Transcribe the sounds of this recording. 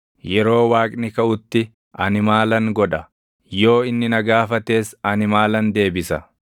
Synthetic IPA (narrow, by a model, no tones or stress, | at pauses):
jɛɾo̞ːwaːkʼnɪkɐʔʊt̪ːɪ | ʔɐnɪmaːlɐŋɡɔᶑɐ | jo̞ːɪnːɪnɐɡaːfɐt̪e̞ːsɐnɪmaːlɐnd̪e̞ːbɪsɐ